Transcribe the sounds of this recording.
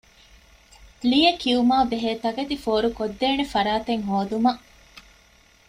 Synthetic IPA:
lijekiumaːbeɦeːt̪ɐɡet̪ifoːɾukod̪ːeːnefɐɾaːt̪eŋɦoːd̪umɐʔ

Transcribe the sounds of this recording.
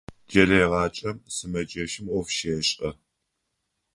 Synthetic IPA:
d͡ʒɐɾeːʁɑːt͡ʃʼɐmsɨmɐd͡ʒʼɐʃɪmɔfʃeːɕʼʔɐ

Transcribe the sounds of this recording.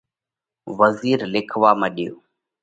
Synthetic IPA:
ʋəziːɾlɪkʰʋaːməːɗijoː

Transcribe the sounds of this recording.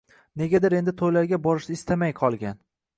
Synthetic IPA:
ne̞ɡʲad̪ɪɾe̞nd̪ɪt̪ʰojlaɾɡʲabɒɾɪʃnɪɪst̪amajqʰɒlˠɡʲan

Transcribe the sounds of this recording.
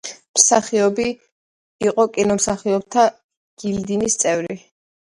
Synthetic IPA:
msaχiɔbiː | qʼɔkʼinɔmsaχiɔb̚t̪ʰa | ɡ̥ild̪inist̪sʼɛvɾi

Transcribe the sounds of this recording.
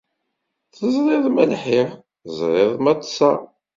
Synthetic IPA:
θəzˤɾˤɪðˤmælħiɾ | əzˤɾˤɪðˤmɑt̪ˤːsɑ

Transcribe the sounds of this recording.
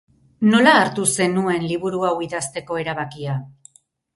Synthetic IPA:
no̞laːɾt̪use̞nue̞nliβ̞uɾuawiðast̪e̞ko̞e̞ɾaβakia

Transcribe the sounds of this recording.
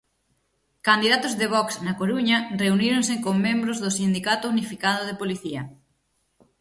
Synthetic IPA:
kand̪iðat̪ʊzðeβ̞ɔksnɐkoɾuɲɐreuniɾoŋsekoŋmẽmbɾozðʊsind̪ikat̪ʊunifikað̞ʊð̞epoliθiɐ

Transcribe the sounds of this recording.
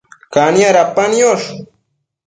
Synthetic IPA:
kanjaɾapanjoʃ

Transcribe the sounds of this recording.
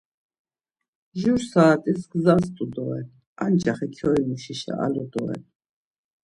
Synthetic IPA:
ʒuɾsaːt̪ʼisɡzast̪ʼud̪ɔɛn | a̰nt͡ʃʰʼaχɛkʰɔimuʃiʃa̰ʔa̰lɔd̪ɔ̰ɛ̰n

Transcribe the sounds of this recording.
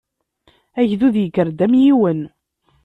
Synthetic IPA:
æʝðuðjəkːəɾd̪æmjiwən

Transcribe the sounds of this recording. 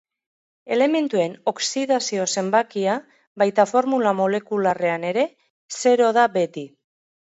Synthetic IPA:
e̞le̞me̞nt̪ue̞no̞ksiðasio̞se̞mbakia | βajt̪afo̞ɾmulamo̞le̞kulare̞ane̞ɾe̞ | se̞ɾo̞ðaβe̞t̪i

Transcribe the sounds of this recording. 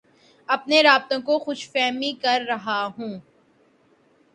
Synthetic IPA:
ɐpneɾaːb̚t̪õkoxʊʃfɛːmikɐɾːɐɦaɦũː

